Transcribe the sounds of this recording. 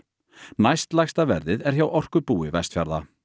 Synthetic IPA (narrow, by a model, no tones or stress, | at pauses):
najst̪lajxst̪avɛɾðɪðɛɾ̥çawʔɔr̥kʏpuːɪvajst̪fja̰ɾða̰